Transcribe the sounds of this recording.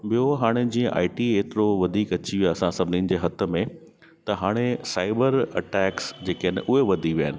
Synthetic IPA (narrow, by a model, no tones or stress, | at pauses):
ɓijoɦaːɽ̃ed͡ʑĩːə̃ʔa̰ːɪʈieːt̪ɪɾoʋɐd̪ʱiːkɐt͡ɕiʋijaɐsãsɐbʱɪniːnɪ̆d͡ʑeːɦɐt̪ə̆mẽ | t̪ɐɦaːɽ̃esaːɪbəɾɐ̰ʈɛːksd͡ʑeːkenɪ̰ʔʊɦeʋɐd̪ʱiʋijaːɪnɪ